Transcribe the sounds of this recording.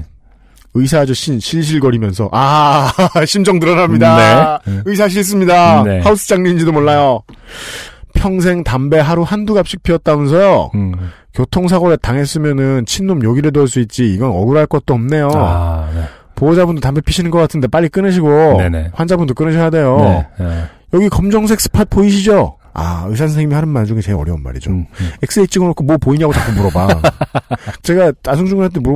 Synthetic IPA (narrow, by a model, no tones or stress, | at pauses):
ɯisʰad͡ʑuɕʰinɕʰiɭɕ̬ʰiɭɡʌɾimjʌnsʰʌ̰ʔa | ɕʰimd͡ʑʌŋtɯɾʌnamɲidaɯisʰaɕ̬ʰiɭs̬͈ɯmɲidaehaus͈ɯ̥d͡ʑaŋɲind͡ʑidomoɭːajo | pʰjʌŋs̬ʰe̞ŋtambe̞ɦaɾuhanduɡap̚ɕ͈i̥k̚pʰiʌt̚t͈amjʌnsʰʌjo | kjotʰoŋs̬ʰaɡoɾetaŋe̞s͈ɯmjʌnɯnt͡ɕʰinːomjʌɡiɾedoɭs̬͈uit̚t͡ɕ͈iːɡʌnʌɡuɾɦaɭk͈ʌt̚t͈oʌmne̞jo | poʌd͡ʑabundotambepʰiɕʰinɯnɡʌk͈atʰɯnde̞p͈aʎːik͈ɯnɯɕ̬ʰiɡonewand͡ʑabundok͈ɯnɯɕʰʌjade̞jo | jʌɡikʌmd͡ʑʌŋs̬ʰe̞k̚s͈ɯ̥pʰat̚p͈oiɕʰid͡ʑo | a̰ɯsʰans̬ʰeŋimihaɾɯnmaɭd͡ʑuŋet͡ɕe̞ɡʌɾjʌunma̰ɾḭd͡ʑoek̚s͈ɯeit͡ɕ͈iɡɯɾokʰomwʌpoiɲaɡot͡ɕak͈ombuɾʌba | t͡ɕe̞ɡatas̬ʰuŋd͡ʑuŋɯɭɦaɭt̬͈ebu